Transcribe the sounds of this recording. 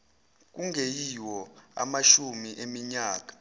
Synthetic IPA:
k̬uŋʱejiwɔa̰maʃumiʔemiɲaːk̬ḁ

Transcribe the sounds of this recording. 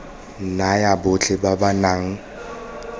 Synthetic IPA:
nnajabʊt͡ɬʰʼɪbabanaŋ̩

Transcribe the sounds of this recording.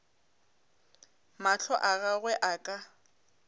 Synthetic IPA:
maɬʰɔʔaɣaɣwɛʔakʼa

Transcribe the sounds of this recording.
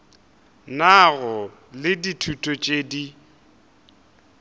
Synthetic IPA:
naɣɔ | lɪditʰutʼɔt͡ʃʼeːdi

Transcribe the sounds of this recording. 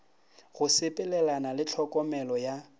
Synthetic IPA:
ɣʊsɪpʼɪlɛlanalɪt͡ɬʰɔkʼɔmɛlɔja

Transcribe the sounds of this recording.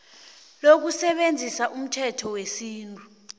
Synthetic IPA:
lok̬usɛɓend͡zʱisaʔum̩tʰɛtʰɔwesiːntʼu

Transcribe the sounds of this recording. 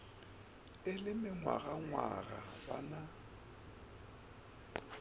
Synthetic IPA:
ɪlɪmɪŋwa̰ɣaŋwaɣaba̰na

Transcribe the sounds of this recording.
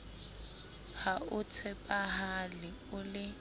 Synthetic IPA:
haʊt͡sʰɛpʼaɦalɪ | ʊlɪ

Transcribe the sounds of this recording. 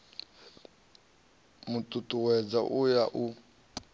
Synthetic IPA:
mʊtʼutʼuwɛd͡zaʔujaʔu

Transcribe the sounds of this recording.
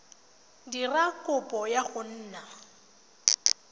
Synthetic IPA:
dirakʼʊpʼɔjaɣʊn̩ːna

